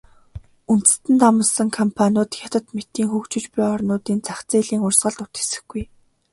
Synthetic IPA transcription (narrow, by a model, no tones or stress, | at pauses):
unt̪ɘ̥̆st̪ɘ̆nt̪amə̆sə̆ŋkʰɔmpʰanʲʊːt̪xʲat̪ə̆t̪met̪iːŋxukt͡ɕɪ̆t͡ɕpʊjɔrnʊːt̪iːnt͡saxt͡seːɮiːŋʊrsɢə̆ɮt̪ʊt̪xe̥sɘ̆xɡ̥uj